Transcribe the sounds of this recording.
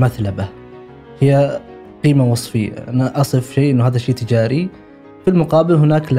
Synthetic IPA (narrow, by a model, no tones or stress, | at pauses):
maθlaba | hɪjːa | qiːmawɑsˤfɪjːa̰ʔanaʔɑsˤɨfʃeːʔɪnːʊaːðaʃeːt̪ɪd͡ʒaːɾi | filmʊqɑːbɪlɦʊnaːkl